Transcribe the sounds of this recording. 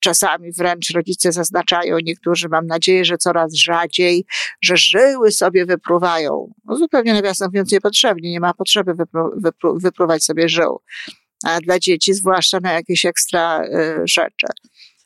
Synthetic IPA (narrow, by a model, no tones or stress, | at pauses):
t͡ʂasamʲivɾɛnt͡ʂɾɔd͡ʑit̪sɛzaznat͡ʂajɔ̰̃w̃ɲɛk̚t̪uʐɘmamnad͡ʑejɛʐɛt̪sɔɾazʐad͡ʑejʐɛʐɘwɘsɔbʲjɛvɘpɾuvajɔ̰̃w̃ɔzupɛwɲɛnavʲjast̪ɛmpuvjɔ̃nt̪ɲɛpɔtʂɛbɲiɲɛmapɔtʂɛbɘvɘpɾuvɘpɾuvɘpɾuvat͡ɕsɔbʲjɛʐɘ̰w | d̪lad͡ʑet͡ɕizvwaʂt͡ʂanajakʲeɕɛkst̪ɾaʐɛ̰t͡ʂɘ̰